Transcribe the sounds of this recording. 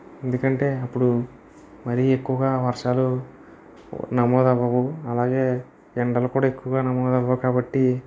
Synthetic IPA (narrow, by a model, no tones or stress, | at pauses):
e̞nd̪ukɐɳʈe̞ːɐpːuɽu | mɐɾiekːuʋɐɡaːʋɐɾʂaːlu | nɐmɔːd̪ɐʋɐʋuɐlaːɡe̞ː | d͡ʒeɳɖɐlukuːɽaːekːuʋɐɡaːnɐmɔːd̪ɐʋɐukaːbɐʈːi